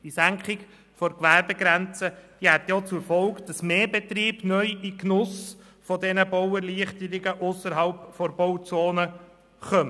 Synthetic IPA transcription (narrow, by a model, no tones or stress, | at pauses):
d̥isæŋkχɪɡ | fɔɾkʋæɾbeɡɾænt͡səd̥ihɛt̪jɔt͡sʊɾfɔlkd̥ɑsmeːbet̪ɾiːbnœjiknʊs | fɔdɛnəbɔwəɾliəχtəɾɪɡəʔʊsəɾɦɑlpfɔɾbɔwt͡soːnə | χœmə